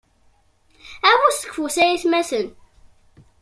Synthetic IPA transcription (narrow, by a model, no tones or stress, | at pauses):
æwæst̪ə̥kːfusæjiθmæsən